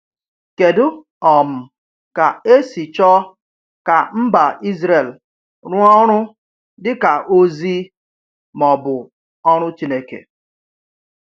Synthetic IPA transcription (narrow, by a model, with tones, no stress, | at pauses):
ke˨dʊ˦ | ɔ˨m̩˨ | ka˨e˦si˨t͡ʃɔ˦ | ka˨m̩˦ba˨ʔi˦zɾe˨l | ɾʊ˦ɔ˦ɾ̃ʊ˦ | dɪ˦ka˨ʔo˦zi˦ | mɔ˨bʊ˨ | ɔ˦ɾ̃ʊ˦t͡ʃi˦ne˦kḛ˨